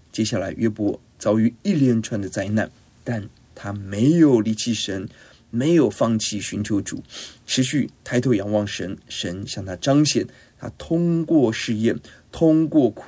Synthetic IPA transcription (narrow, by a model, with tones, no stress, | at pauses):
t͡ɕjɛ˥ɕja˥˩la˧˥ɪʔɥʔɛ˥pwɔ˧˥ | t͡sɑ˥˩ʊy˧˥i˥˧ljɛ˥˧nʈ͡ʂʰwa˥˩nd̪ə˨t͡sa˥ɪna˥˩n | t̪a˥˩n | t̪ʰa˥me˧˥ɪjo˨˩ʊli˧˥t͡ɕʰi˥˩ʂə˧˥n | me˧˥ɪjo˨˩ʊfɑ˥˧ŋt͡ɕʰi˥˩ɕy˧˥nt͡ɕʰjo˧˥ʊʈ͡ʂṵ˨˩˦ʈ͡ʂʰɻ̩˧˥ɕy˥˩t̪ʰa˥˧ɪt̪ʰo˥˩jɑ˧˥ŋwɑ˥˩ŋʂə˧˥nʂə˧˥nɕjɑ˥˩ŋt̪ʰa˥ʈ͡ʂɑ˥ŋɕjɛ˨˩˦n | t̪ʰa̰˥t̪ʰʊ˥ŋkwɔ˥˧ʂɻ̩˥˧jɛ˥˩n | t̪ʰʊ˥ŋkwɔ˥˩kʰu˨˥